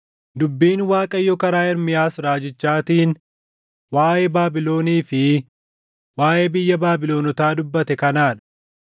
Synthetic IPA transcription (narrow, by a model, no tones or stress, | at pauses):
d̪ʊbːiːnwaːkʼɐjːɔkɐɾaːɪɾmɪjaːsɾaːd͡ʒɪt͡ʃːaːt̪iːn | waːjʔebaːbɪlo̞ːniːfɪ | waːʔeːbɪjːɐbaːbɪloːnɔt̪aːd̪ʊbːɐt̪ɛkɐnaːᶑɐ̥